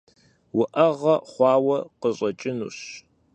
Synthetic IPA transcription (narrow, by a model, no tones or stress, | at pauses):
wʊʔɐʁɐχʷɑːwɐqəɕʼɐt͡ʃʼɪnṵːɕ